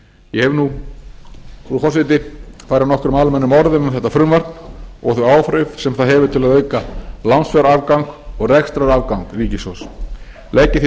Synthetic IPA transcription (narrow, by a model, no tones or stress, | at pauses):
jɛhɛvnu | ɾukɔs̬ɪt̪ɪfajɾanɔhkʏɾʏmalmɛnːʏmɔɾðʏnamθɛht̪afɾʏmvar̥t̪nɔ̰ɣθœɥaːwfɾœvsɛmθaðɦɛvʏ̥t̪ʰɪlaðœːɥkalansfɛɾaaːvkaŋkɔɣrɛxst̪ɾaɾavkawŋkriːcɪsɔws | leːjcɪθ